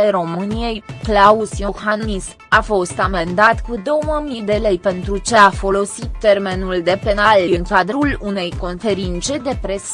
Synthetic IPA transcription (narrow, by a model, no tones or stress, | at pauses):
eɾo̞mɨnije̞jklausijoxannis | afo̞st̪ame̞nd̪at̪kud̪o̞wəmid̪e̞le̞jpe̞nt̪ɾut͡ʃe̞afo̞lo̞sit̪ːe̞rme̞nuld̪e̞pe̞nalɨŋkad̪ɾulune̞jko̞nfe̞ɾint̪se̞d̪e̞pɾe̞s